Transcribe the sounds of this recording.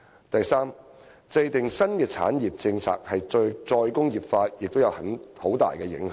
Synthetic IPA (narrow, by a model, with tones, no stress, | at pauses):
t̪ɐ˨jsaː˥m | t͡sɐ˧jt̪ɪ˨˩ŋsɐ˥nkɛː˧t͡sʰa̰ː˨˥njiː˨˩p̚t͡sɪ˧ŋt͡sʰa̰ː˧˨k̚hɐ˨jt͡ʃɵ˧ɥt͡sɔː˧jkʊ˥ŋjiː˨p̚faː˧t̚jɪ˨k̚t̪o˥wjɐ˨˧whɐ˨˦nho˨˥wt̪a̰ː˨jkɛː˧jɪ̰˨˥ŋh